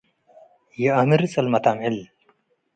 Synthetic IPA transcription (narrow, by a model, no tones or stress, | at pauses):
jiɐmiɾt͡sʼɐlmɐt̪aːmhil